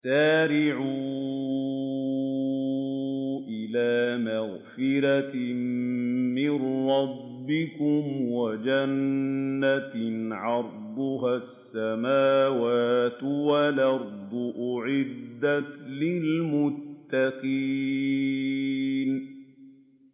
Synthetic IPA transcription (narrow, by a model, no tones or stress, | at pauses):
saːɾɪʕuː | ʔɪlaːmaɣfɪɾa | mɪnɾˤɑbːɪkʊmwad͡ʒanː | aʕɑɾˤd̪ˤʊɦasːamaːwaːt̪walʔɑɾˤd̪ˤʊʔʊʕɪd̪ːat̪lɪlmʊt̪ːaqiː | n